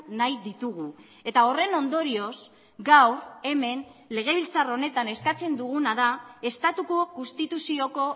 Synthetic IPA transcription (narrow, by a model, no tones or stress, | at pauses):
najðit̪uɣ̞u | e̞t̪ao̞re̞no̞nd̪o̞ɾio̞s | ɡawɾe̞me̞nle̞ɣ̞e̞β̞ilt͡saro̞ne̞t̪ane̞skat͡se̞nd̪uɣ̞unaðae̞st̪at̪ukokunst̪it̪usio̞ko̞